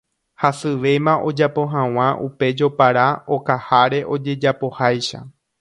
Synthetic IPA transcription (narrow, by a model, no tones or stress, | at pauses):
hasɨʋe̞mãʔo̞d͡ʒapo̞ɦãw̃ãʔupe̞d͡ʒo̞paɾao̞kahaɾe̞ʔo̞d͡ʒe̞d͡ʒapo̞hajʃa̰